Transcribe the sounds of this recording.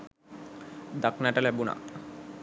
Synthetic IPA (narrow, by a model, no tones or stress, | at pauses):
d̪aknaʈalɛbuna̰